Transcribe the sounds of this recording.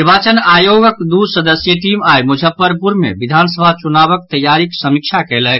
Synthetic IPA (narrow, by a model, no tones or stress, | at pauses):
ɾbaːt͡ʃənaːjoːɡəkd̪usəd̪əsjəʈiːmaːjmud͡ʒʱəpːəɾpuɾmḛ̃bid̪ʱaːnsəbʱat͡ʃunaːbək̚t̪əjːaːɾiksəmikt͡ʃʰakeːlɛk